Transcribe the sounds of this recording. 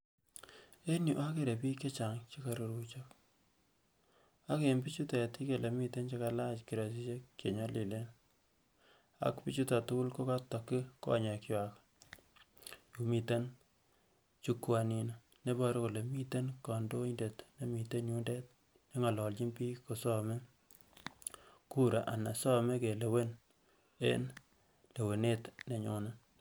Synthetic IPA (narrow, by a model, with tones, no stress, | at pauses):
e˦nju˨ʔa˦ke˦ɾe˨piː˦ke˦t͡ʃa˨ŋt͡ʃi˦ka˨ɾu˨ɾu˦t͡ʃo˦k | a˦ke˨mbi˦t͡ʃu˦te˨ti˦ke˨le˨mi˦te˦nt͡ʃe˦ka˦la˦t͡ʃki˨ɾa˨s̬i˦t͡ʃe˦kke˨ɲɔ˦li˨le˦n | a̰˦kpi˦t͡ʃu˦ta˨tu˦ku˦lko˦ka˦ta˨kːi˦kɔ̰˦ɲa˨ki˦wak | ju˨mi˨te˦n | t͡ʃu˦kwa˨nina˨ | ne˦bɔ˦ɾe˦ku˨le˨mi˦te˦nka˨ndo˦inde˨tne˦mi˨te˦nju˦nde˦t̚ | ne˦ŋa˨lɔ˨lt͡ʃi˦npi˦ko˨sɔ˦me˦ | ku˦ɾa˨ʔa˨na˨sɔ˦me˦ke˨le˨we˦n | ḛ˦n | le˨we˨ne˦tne˨ɲo˨na˦